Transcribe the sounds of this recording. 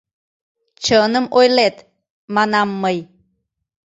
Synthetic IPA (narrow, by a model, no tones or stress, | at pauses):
t͡ʃənəmojlet̪ | manamːəj